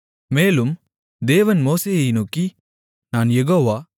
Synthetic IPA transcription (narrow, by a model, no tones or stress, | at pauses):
meːlɯm | d̪eːʋɐnmoːseːjɐjnoːkːi | naːnjɛɣoːʋaː